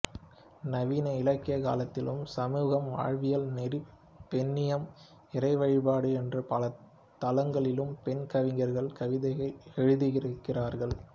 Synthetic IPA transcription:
nɐʋiːnɐɪlɐkːɪjɐka̰ːlɐt̪ːɪlɯ̰msɐmuːɣɐmʋa̰ːɻʋɪjɐlnɛri | pːɛnːɪjɐm | ɪrɐɪʋɐɻɪpaːɽɯɛndrɯpɐlɐ | t̪ɐlɐŋɡɐɭɪlɯmpɛnkɐʋɪŋɡɐɾɣɐɭkɐʋɪðɐɐɪɛɻɯðɯɣɪɾɯkːɪraːɾɣɐɭ

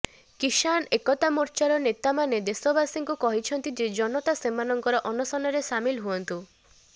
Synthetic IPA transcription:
kiʃanekɔt̪amuɾt͡ʃaɾɔnet̪amaned̪esɔbasiŋkukɔɦit͡ʃʰɔnt̪id͡ʒed͡ʒɔnɔt̪asemanɔŋkɔɾɔʔɔnɔsɔnɔɾesamilɦuɔnt̪u

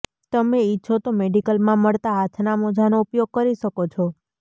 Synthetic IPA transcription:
t̪əmeitːʃʰot̪omeɖikəlmãməɭt̪aɦat̪ʰnamod͡ʒʱanoupjoɡ̚kəɾiʃəkot͡ʃʰɔ

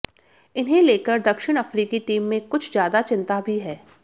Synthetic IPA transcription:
ɪnɦẽleːkəɾd̪ɐkʃɪɽ̃ɐfɾiːkiʈiːmːẽkʊt͡ʃʰzjaːd̪at͡ʃɪ̃nt̪abʱiɦɛː

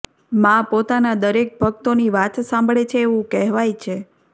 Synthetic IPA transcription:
mãpot̪anad̪əɾek̚bʱəkt̪oniʋat̪sãmbʱɭet͡ʃʰeːʋũkɛɦʋajt͡ʃʰe

